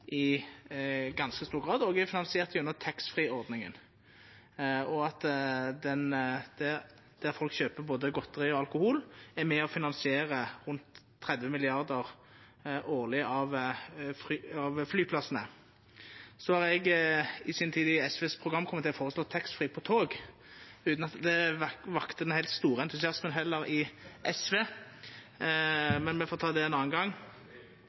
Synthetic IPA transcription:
ʔɪ | ɡɑnskəst̪uːʁɡʁɑːd̪ɔːɡɛfɪnɑnsɪeːʁt̪jʉnːət̪ʰɛksfʁiːɔʁd̪nɪŋə̰n | ɔɑt̪d̪ɛnd̪̥æ | d̪̥æʁfɔlkɕøːpəboːd̪əɡɔt̪ːəʁɪɔɑlkʊhuːlæmɛɔfɪnɑnsɪeːʁəʁʉnt̪ʰː | ʁɛd̪ʋəmɪlɪɑʁd̪əʁ | ʔoːʁlɪɑʋfʁɑʋflyːpʰlɑsənə̰ | sɔhɑʁɛɡɪsɪnt̪ʰiːd̪ɪɛsʋeːspʰʁʊɡʁɑmːkʰɔmːət̪ʰːɛlɔfoːʁəslɔt̪ʰːɛkst̪fʁiːpʰɔt̪ʰoːɡ | ʉːt̪nɑt̪d̪ɛʋɑkt̪əd̪ɛnhæɪt̪st̪uːʁəɛnt̪ʉsɪɑsmənɦɛlːəɾɪʔɛsʋeː | mɛnmɛfoːt̪ʰɑːd̪ɛɛnɑːənɡɑŋː

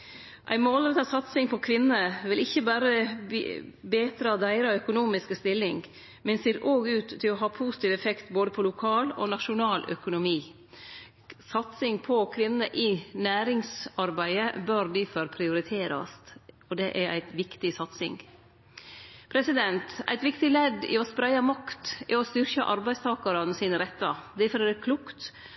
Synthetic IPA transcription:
ʔæ̰ɪmoːlɾɛt̪ʰɑsɑt̪sɪŋpʰɔkʰʋɪnːəʋɪlɪçːəbæːɾə̰ | beːt̪ɾɑd̪æɪɾɑœkʊnuːmɪskəst̪ɪlːɪŋ | mɛnseːɾʔoːɡʉːt̪ʰːɪlɔɦɑːpʰuːsɪ̥t̪ʰiːʋɛfɛkt̪boːd̪əpʰɔlʊkʰɑːlo̰ːnɑʃʊnɑːlʔœ̰kʊnʊmiː | sɑt̪sɪŋpʰɔkʰʋɪnnəʔɪnæːɾɪŋsɑɾbæɪəbøɾd̪ifœɾpʰɾɪʊɾɪt̪ʰeːɾɑ̰st̪ | ɔd̪ɛʔæɾʔæ̰ɪt̪ʋɪkt̪ɪsɑt̪sɪ̰ŋɡ | pʰɾɛsɪd̪ɛnt̪æɪt̪ʋɪkt̪ɪlɛd̪ɪ̰ɔspɾæɪɑmɑkt̪ɛɾɔst̪ʏɾçə̰ʔɑɾbæɪst̪ʰɑːkɑɾɑnsiːnəɾɛt̪ːɑd̪ɛfɔɾɛɾkʰlukt̪

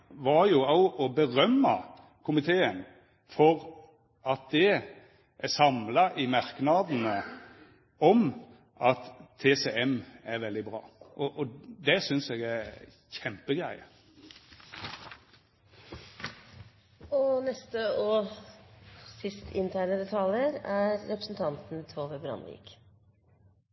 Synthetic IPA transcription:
ʋɑɾjʊɑʊʔɔbəʁœmːɑ̰ | kʰʊmɪt̪ʰeːən | fɔʁ | ɑt̪̚d̪ɛ | ʔæsɑmlɑʔɪmɑɾknɑd̪n̩ə | ɔm | ʔɑt̪ʰːeːsɛɛmæɾʋɛld̪ɪbɾɑ̰ːʔɔʔɔd̪ɛsʏnsɛɡæ | çɛmpəɡɾæɪə | ɔnɛst̪əɔ | sɪst̪ʰɪnt̪ʰæːɳəd̪ɛt̪ʰɑləɾæɾːɛpɾəsnt̪ʰɑnt̪n̩t̪ʰoːʋəbɾɑ̰nʋḭːk

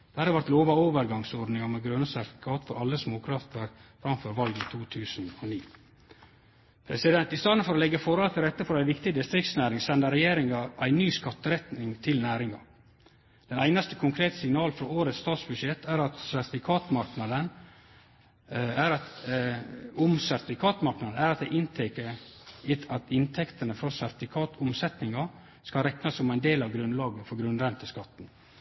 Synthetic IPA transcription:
d̪̥ɛhæɑɾɑɾʋæɾt̪loːʋɑoːʋəɾɡɑŋsɔɾd̪nɪŋɑmɛɡɾœnəsæɾt̪ɪ̥fɪkʰɑːt̪fɔɾɑlːəsmoːkʰɾɑft̪əɾfɾɑmføːɾʋɑlɡit̪ʰuːt̪ʰʉːsnɔniː | pʰɾɛsɪd̪ɛnt̪ɪst̪ɑnn̩fɔɾɔlɛɡːəfɔɾhɔlt̪ʰɪɾɛt̪ːəfɔɾæɪʋɪkt̪ɪd̪ɪst̪ɾɪkt̪snæːɾɪŋsɛnd̪əɾɛjeːɾɪŋɑʔæɪnyːskɑt̪ːəɾɛt̪nɪŋt̪ʰɪlnæːɾɪŋɑ̰ | d̪̥ɛnæɪnɑst̪əkʰʊŋkʰɾeːt̪əsɪŋnɑːlfɾɔoːɾət̪st̪ɑːt̪sbʉd̪ʂɛt̪ʰːæɾɑt̪sæɾt̪ɪfɪkʰɑːt̪mɑɾknɑd̪ən | æɾɑt̪ | ʊmsæɾt̪ɪfɪkʰɑːt̪mɑɾknɑd̪əæɾɑt̪̚d̪ɛɪʔɪnt̪ʰɛkəɾɪɑt̪ɪnt̪ʰɛkt̪ənəfɾɔsæɾt̪ɪfɪkʰɑːt̪ʰʊmsɛt̪nɪŋɑ | skɑlɾɛknɑsːɔmæɪnd̪eːlɑʋɡɾʉnlɑːɡəfɔɾɡɾʉnɾɛnt̪əskɑt̪ːn̩

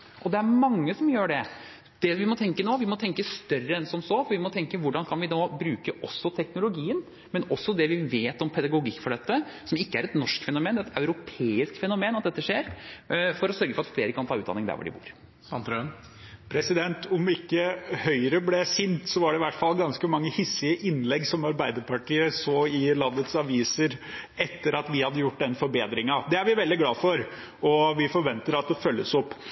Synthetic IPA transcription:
ʔɔd̪ɛæɾmɑŋːəsɔmjøːɖɛ | d̪̥ɛʋɪmɔt̪ʰɛŋkənoːʋɪmɔt̪ʰɛŋkəst̪œrəɛnsɔmsɔfɔɾʋɪmɔt̪ʰɛŋkəʋʊɖɑnkʰɑnʋɪnoːbɾʉːkəʔɔsːɔt̪ʰɛknʊlʊɡiːən | mɛnɔsːɔd̪ɛʋɪʋeːt̪ɔmpʰɛd̪ɑɡʊɡɪkːfɔɖɛt̪ːəsɔmɪkːəæɾɛt̪nɔʂkfɛnʊmeːnd̪ɛæɛt̪œʉɾʊpʰeːɪsk̪fɛnʊmeːnɑt̪̚d̪ɛt̪ːəʂeːɾfɔɾɔsœɾɡəfɔɾɑt̪fleːɾəkɑnt̪ʰɑːʉːt̪d̪ɑ̰nːɪŋd̪æ̰ɾʋɔ̰ɖɪ̰bṵːɾ | sɑnt̪ɾ | pʰɾɛsɪd̪ɛnt̪ʰʊmɪkːəhœʏɾəblɛsɪnt̪sɔʋɑɖɛɪʋæʈːfɑlːɡɑnskəmɑŋːəhɪsɪəʔɪnlɛɡsɔmɑɾbæɪd̪əpɑʈiːəsoːɪlɑnːət̪sɑʋiːsəɾɛt̪ːəɾɑt̪ʋɪhɑd̪ːəjʊʈːd̪ɛnfɔɾbeːd̪ɾɪŋɑd̪ɛæɾʋɪʋɛld̪ɪɡlɑːfɔɾ | ɔʋɪfɔɾʋɛnt̪əɾɑt̪̚d̪ɛfœlːəsɔpː

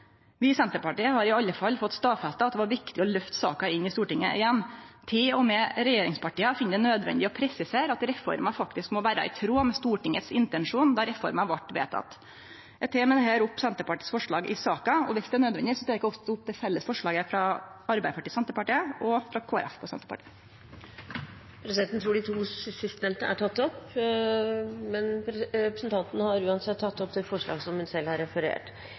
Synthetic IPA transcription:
ʋɪsɛnt̪əɾpɑʈiːəhɑɾɪɑlːəfɑlːfɔt̪ːst̪ɑːfɑst̪ɑɑt̪̚d̪ɛʋɑɾʋɪkt̪ɪɔlœft̪sɑ̰ːkɑɪnːɪst̪uːʈɪŋːə̰ʔɪjɛnːt̪ʰɪlɔmɛɾɛjeːɾɪŋspɑʈiːəfɪnːəd̪ɛnøːd̪ʋɛ̰nd̪ɪɔpʰɾɛsɪseːɾɑt̪ɾɛfɔ̰ɾmɑfɑkt̪ɪskmɔʋæːɾɑ̰ɪ̰t̪ʰɾoːmɛst̪uːʈɪŋət̪sɪnt̪ɛnʂuːnd̪ɑɾɛfɔ̰ɾmɑʋɑʈːʋḛːt̪ɑ̰t̪ | ɛt̪ʰeːmɛd̪ɛhæːɾʊpːsɛnt̪əɾpɑʈiːsfɔʂɭɑ̰ːɡʔɪsɑːkɑɔʋɪsd̪ɛæɳøːd̪ʋɛnd̪ɪsɔt̪ʰeːɾɪkːɔft̪ʊp̚ːd̪ɛfɛlːəsfɔʂɭɑːɡəfɾɑɑɾbæɪəpʰɑʈiːsɛnt̪əɾpɑʈiːəɔfɾɑkʰoːæ̰ɾɛ̰fpʰɔsɛ̰nt̪əɾpɑ̰ʈʰi̥ː | pʰɾɛsɪd̪ɛnt̪n̩t̪ʰɾuːɖɪt̪ʰuːsɪst̪nɛmt̪ə̰ʔæʈʰɑt̪ːɔp | mɛnɾɛpɾəsnt̪ɑnt̪nəhɑɾʉːɑnsɛt̪ʰːɑt̪ːɔpt̪ɪlfɔʂɭɑ̰ːɡsɔmhʉnsɛlːɑɾɛfəɾḛːʈ

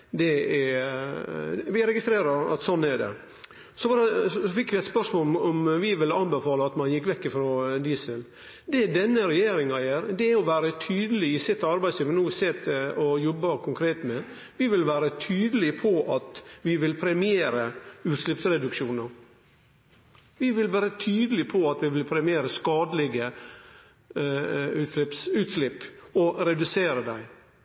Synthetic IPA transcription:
d̪ɛɛ | ʋɪɾɛɡɪst̪ɾeːɾəɾɑ̰t̪sɔnːɛɖɛ̰ | sɔbɑɾəfɪkːʋɪɛɪt̪spœʂmoːɔmʋɪʋɪlɑnbɛfɑːləɑt̪mɑnjɪkːʋɛkːɪfɾɔd̪iːsəl | d̪ɛd̪ɛnːəɾɛjeːɾɪŋɑjæːɾd̪ɛæɔʋæːɾət̪ʰyːd̪əlɪɪsɪt̪ʰːɑɾbæɪsliːʋnuːsɛt̪ɔjɔbːəkʰʊŋkʰɾeːt̪mɛ | ʋɪʋɪlʋæːɾət̪ʰyːd̪əlɪpʰɔʔɑt̪ʋɪʋɪlpʰɾɛmɪeːɾəʉːt̪ʃlɪpsɾɛd̪ʉkʃuːnəɾ | ʋɪʋɪlʋæːɾət̪ʰyːd̪əl̩ɪpʰɔɑt̪ʋɪʋɪlpʰɾɛmɪeːɾəskɑːd̪əlɪɡə | ʉɪpsʉːt̪slɪpːɔɾɛd̪ʉseːɾəd̪æɪ

